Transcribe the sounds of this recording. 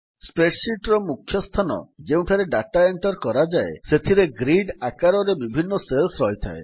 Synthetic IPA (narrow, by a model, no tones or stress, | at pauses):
spɾeʈsiʈɾɔmukʰːjɔst̪ʰanɔ̰d͡ʒeũʈʰaɾeɖaʈaeɳʈɔɾkɔɾad͡ʒaeset̪ʰiɾeɡɾiɖakaɾɔɾebibʱinːɔselsɾɔɦjt̪ʰa̰e